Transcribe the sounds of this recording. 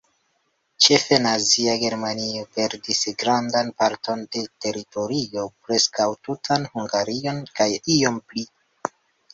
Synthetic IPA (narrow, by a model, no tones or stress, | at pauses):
t͡ʃe̞fe̞naziaɡe̞ɾmaniope̞ɾdisɡɾandanpaɾto̞nde̞te̞ɾito̞ɾio̞pɾe̞skawtutʰanhuŋɡaɾio̞nkajio̞mpli